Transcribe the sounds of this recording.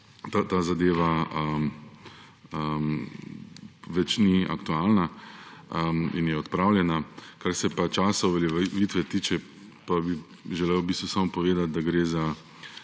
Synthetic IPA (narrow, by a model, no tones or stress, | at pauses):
t̪at̪aːzad̪eːʋaəm | əm | ʋɛt͡ʃnia̰kt̪uaːlna | əmḭnjɛɔt̪pɾaːwljɛnakaɾsɛpat͡ʃaːsauʋɛljɛʋiːt̪ʋɛt̪iːt͡ʃɛ | pabi | ʒɛlewbiːst̪ʋusamɔpɔʋeːd̪at̪̚d̪aɡɾeːza